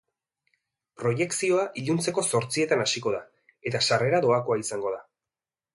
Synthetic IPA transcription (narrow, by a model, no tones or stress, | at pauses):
pɾo̞je̞ksio̞aʔiʎunt͡se̞ko̞so̞ɾt͡sie̞t̪anasiko̞ð̞a | e̞t̪asare̞ɾaðo̞ako̞aisaŋɡo̞ð̞a